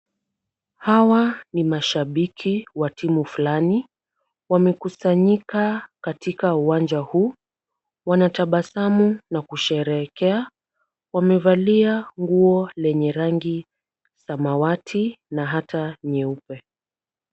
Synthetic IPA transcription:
hawanimaʃaɓikʰiwatimufulani | wamɛkusaɲikakatikauwand͡ʒahuː | wanataɓasamunakuʃɛɾɛkɛa | wamɛvaliaŋɡuɔlɛɲɛɾaŋɡi | samawatʰinaɦataɲɛupɛ

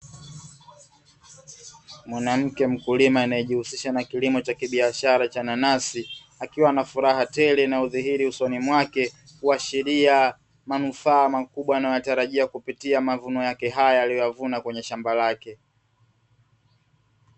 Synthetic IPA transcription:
mwanam̩kɛm̩kulimainaɛʄihusiʃanakilimɔt͡ʃakiɓiaʃaɾat͡ʃananasi | akiwanafuɾaɦatɛlinauðiɦiɾiusɔnimwakɛ | kuaʃiɾia | manufaːmakuɓwanajɔjataɾaʄiakupitiamavunɔjakɛɦajaaːlijɔjavunakwɛɲɛʃambalakɛ

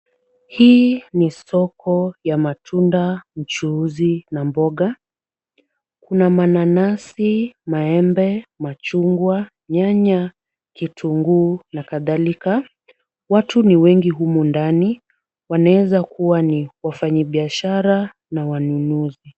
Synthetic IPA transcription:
hiːnisɔkʰɔjamatʰundam̩t͡ʃuzinambɔɠa | kunamananasimaɛmbɛmat͡ʃuŋɡwa | ɲaɲa | kitʰuŋɡunakaðalika | watuniwɛŋɡiɦumundani | wanaɛzakuwaniwafaɲiɓiaʃaɾa | nawanunuzi

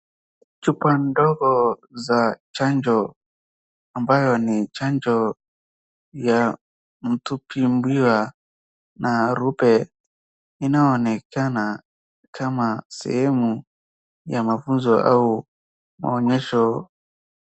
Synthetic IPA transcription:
t͡ʃupandɔkɔzat͡ʃand͡ʒɔ | ambajɔnit͡ʃand͡ʒɔ | ja | m̩tupʰimbwiwa | nʔaɾupɛ | inaɔnɛkana | kʰamasɛ̰hɛmu | jamafunzɔʔa̰u | ma̰ɔɲɛʃɔ

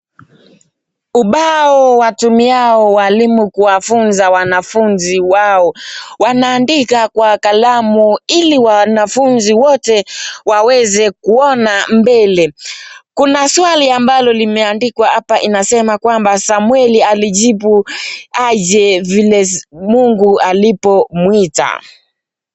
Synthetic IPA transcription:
uɓaɔwatumiaɔwalimukuwafunzawanafunziwaɔwanaːndikakwakalamuiliwanafunziwɔtɛwawɛzɛkuɔnambɛlɛkunaswaliambalɔlimɛandikwahapaʔinasɛmakwambasamwɛlialiʄibuaʄɛvilɛmuŋɡualipɔmwita̰

